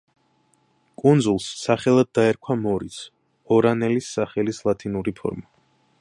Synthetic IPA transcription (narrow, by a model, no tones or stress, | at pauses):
kʼund̪zulˠsːaχɛlˠad̪̚ːaɛɾkʰwamɔɾis | ɔɾanɛlisːaχɛlislˠat̪ʰinuɾipʰɔ̰ɾma